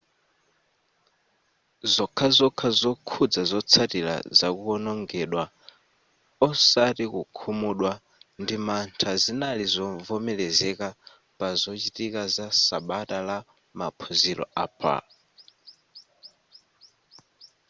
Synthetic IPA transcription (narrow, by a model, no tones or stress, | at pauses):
zɔkʰazɔkʰazɔkʰud͡zazɔt͡sʰatiɾa̰zakuɔnɔŋɡɛɗwa | ɔsatikukʰumuɗwa | ndimantʰazinalizɔvɔmɛlɛzɛka | pazɔt͡ʃitikazasaɓatʼala | mapʰɔzilɔ̰a̰pʰa̰